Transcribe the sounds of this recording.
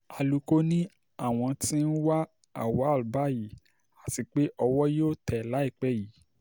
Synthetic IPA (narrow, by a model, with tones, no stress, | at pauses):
a˧lu˨˧ko˦nĩ˦ | a˦˨w̃ɔ̃˧tĩ˦n̩˦wa˦ | a̰˨wa˨˦˨u˨ba˦ji˨˦ | a˨ti˧k͡pe˦ʔɔ˧wɔ˦joː˦˨tɛ˨la˨˦i˦˨k͡pɛ˦˨ji˨˦